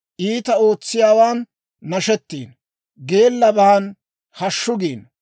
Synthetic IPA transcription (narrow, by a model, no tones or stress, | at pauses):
ʔiːt̪ɐo̞ːt͡sːɪjaːwaːnː | ɐʃɛt̪ːiːn | ɡe̞ːlːɐbɐhɐn | hɐʃːʊɡiːn